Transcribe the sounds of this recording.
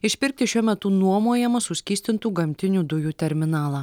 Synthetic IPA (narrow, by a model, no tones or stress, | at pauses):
ɪʃʲpʲɪɾʲk̚t̪ʲɪʃʲuɔmʲɛt̪ʊnuɔmuɔjɛmɐsʊsʲkʲiːsʲt̪ʲɪnt̪uːɡɐmʲt̪ʲɪnʲuːd̪ʊjuːt̪ʲɛɾʲmʲɪnɑːlˠɑː